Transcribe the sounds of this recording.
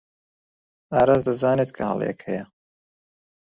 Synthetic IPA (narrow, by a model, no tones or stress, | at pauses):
aːɾazd̪ɐzaːnet̪kʰɐhɑ̰lˠjɛ̰khɛjɐ